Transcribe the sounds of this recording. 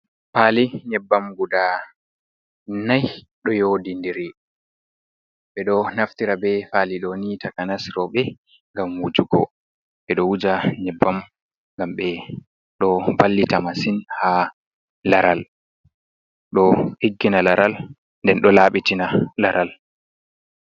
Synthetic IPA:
faliɲɛbːamɡuda | naj | ɗɔjodindiɾi | ɓɛɗɔnaftiɾabɛfaliɗɔnitakanasɾɔɓɛ | ŋɡamːud͡ʒuɡɔ̰ | ɓɛɗɔwud͡ʒaɲɛbːam | ŋɡamɓɛ | ɗɔbalːitamasinha | laɾal | ɗɔhiɡːinalaɾʔal | ndɛnɗɔlaɓitinalaɾʔal

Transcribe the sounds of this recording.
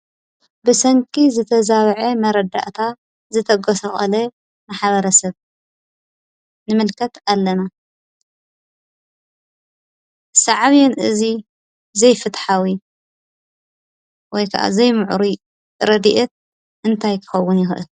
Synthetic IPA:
bɨsɐŋkʼizɨt̪ʰɐzaβʕemɐɾɐd̪a̰ʔt̪ʰa | zɨt̪ʰɐɡosɐxʼɐ̰le | maħaβɐɾɐsɐβ | nɨmɨlkʰɐt̪alːɐna | sɐʕaβijɛnʔɨzi | zɐjfɨt̪ħawi | wɔjkʰɐʔa̰zɐjmɨʕuɾi | ɾɐd̪iʔɛt̪̚ | ʔɨnt̪ʰajkʰɨ̥xɐwːʊnjɪxʔɨ̰l

